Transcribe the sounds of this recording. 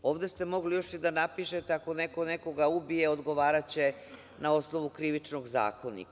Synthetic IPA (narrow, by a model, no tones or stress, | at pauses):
o̞ːʋd̪e̞st̪e̞mo̞ɡlijo̞ʃid̪anapiʃe̞t̪eako̞neko̞neko̞ɡaubije̞od̪ɡo̞ʋaːɾat͡ɕe̞ | nao̞sno̞ʋukɾiʋit͡ʃno̞ɡza̰ːko̞nḭk